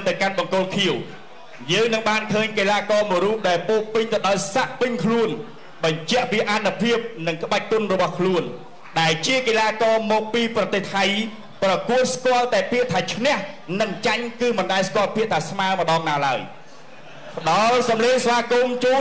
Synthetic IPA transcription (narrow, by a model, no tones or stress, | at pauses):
nt̪ɨwkanɓɑŋkoːlkʰiəw | jəːŋnɨŋɓaːnkʰəːɲkelaːkɑːməjɾuːp̚ɗaɛlpoːpɨɲt̪ɨwɗaɔjsaʔpɨɲkʰluən | ɓɑɲt͡ɕɛ̆əʔpiəʔanːupʰiəp̚nɨŋkə̆ɓac̚kunrɔɓɑhkʰluən | ɗaɛlt͡ɕiəkelaːkɑːmɔːk̚piːprɑt̪eːht̪ʰaj | prɑkuət̪̚skŏəlt̪aɛpiəʔt̪ʰaːt͡ɕʰnɛ̆əhnɨŋt͡ɕaɲkɨːmɨnɗaɛjskŏəlpiəʔt̪ʰaːsmaəmə̆ɗɑːŋnaːlaəj | pə̆ɗɑlsɑmleːŋsʋaːkumt͡ɕuː